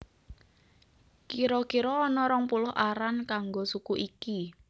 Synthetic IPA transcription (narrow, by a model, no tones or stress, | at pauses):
kiɾɔkiɾɔːnɔɾɔŋpulʊhʔaɾankaŋɡosukuʔiki